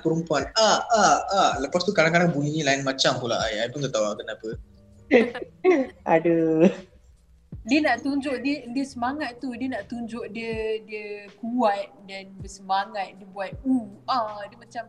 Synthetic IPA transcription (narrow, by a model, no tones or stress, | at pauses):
pəɾumpuanaaaləpast̪ukaɾaŋkadaŋbulinĩlaɪnmat͡ʃampula̰ʔajajpunt̪at̪auaʔkənapə | adə | diənaʔt̪uɲd͡ʒoʔdiədiəsəmaŋat̪̚t̪ːudiənaʔt̪uɲd͡ʒoʔ̚diədiəkuwat̪̚danbəsəmaŋat̪̚diəbuat̪̚uadiəmat͡ʃam